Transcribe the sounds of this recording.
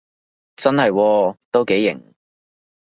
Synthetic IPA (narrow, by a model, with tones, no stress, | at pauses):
t͡sɐ˥nhɐ˨jwɔː˧t̪o˥wke˨˥jːɪ̰˨˩ŋ